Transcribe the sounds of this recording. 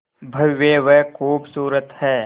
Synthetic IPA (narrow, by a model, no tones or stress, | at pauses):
bʱɐʋːeʋɛkʰuːbsuːɾət̪hɛː